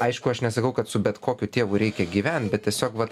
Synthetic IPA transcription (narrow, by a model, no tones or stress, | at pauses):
ɐɪʃkʊɐʃnʲɛsɐkɐʊkɐt̪sʊbʲɛt̪koːkʲʊt̪ʲeːʋʊɾʲɛɪkʲɛɡʲiːʋʲɛnʲt̪bʲɛt̪̚tʲiɛsʲoːkʋɐt̪